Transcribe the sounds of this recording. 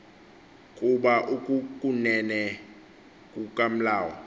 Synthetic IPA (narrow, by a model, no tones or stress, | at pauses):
kʼuɓaʔukʼukʼunɛnɛ | kʼukʼam̩laːwɔ̰